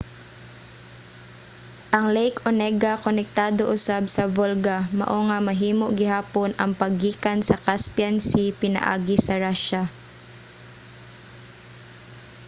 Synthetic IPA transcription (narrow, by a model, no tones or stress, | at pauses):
ʔɐŋlɛjkonɛɡakonɛk̚t̪aːd̪oʔʊsabsɐvolɡamɐ̰ʔoŋamɐɦiːmoʔɡɪɦaːponɐŋpɐɡiːkansɐkaspjansipɪnɐ̰ʔa̰ːɡɪsɐɹaʃa